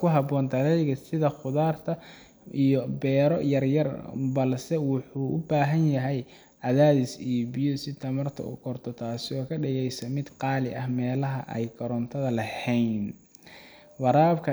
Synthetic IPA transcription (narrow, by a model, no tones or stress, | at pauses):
kʰʊɦɑbɔːnd̪ɐlɛjɣɐsɪðɐχʊðaːrt̪ʰɐ | ijɔbɛːɾɔjɐrjɐrbɐlsɛwʊħuːʔʊ̰baːɦɐnjɐɦɛj | ɐðaːðɪsijbijɔsɪt̪ʰɐmɐrt̪ʰɐ̰ṵkʰɔrt̪ʰɔt̪ʰaːsɪɔːkʰɐɖɪɣɛjsɐmɪd̪qɑːlɪʔɐhmɛːlɐɦɐ̰ʔɛ̰jkʰɐɾɔnt̪ʰɐðɐlɐhɛjn | wɑɾaːbkʰɐ